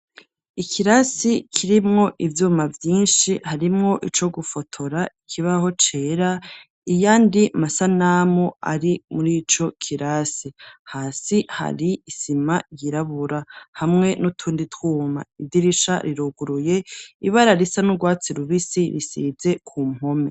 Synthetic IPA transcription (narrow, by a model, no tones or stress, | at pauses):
ikʰiɾasikʰiɾimŋo̞ʔivjuːmavjiːnʃihaɾimŋo̞ʔit͡ʃo̞ɡufo̞tʰo̞ɾaikʰiβaho̞t͡ʃeːɾa | ijaːndiamasanamoa̰ɾimuɾiːt͡ʃo̞kʰiɾasihaːsiha̰ɾiːsimajiɾaβuɾahamŋe̞nutʰuːnditʰwuːma̰idiɾiʃa̰ɾiɾoɡuɾuje̞iβaɾaɾisanuɡwaːt͡siɾuβisiɾisḭze̞kʰuːm̥o̞me